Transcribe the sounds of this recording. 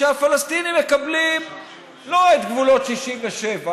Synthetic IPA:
eafalast̪inimːekablim | lo̞et̪ɡvulo̞tʃiʃiɱveʃeva

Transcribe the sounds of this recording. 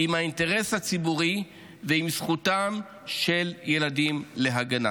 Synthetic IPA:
imhainte̞ʁe̞shat͡sibuʁi | veimsχutam | ʃe̞lje̞ladimle̞ɦaɡana̰

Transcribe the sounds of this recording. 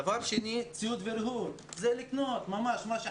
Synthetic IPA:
avaɾʃenit͡sijud̪veɾɦuɾ | zeliknot̪mamaʃmaʃ

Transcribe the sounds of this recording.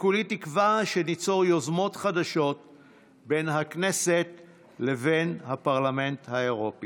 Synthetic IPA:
kulitikvaʃenit͡so̞ʁjozmo̞tχadaʃo̞t̚ | be̞nɦakne̞se̞t | le̞venhapaʁlame̞nthaeʁo̞pi

